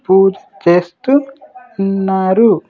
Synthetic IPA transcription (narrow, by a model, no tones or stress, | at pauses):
puːd͡ʒɐ̥t͡ʃeːst̪u | nːaːɾu